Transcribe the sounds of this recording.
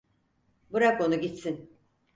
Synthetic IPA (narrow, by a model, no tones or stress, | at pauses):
buɾako̞nuɟit̪sin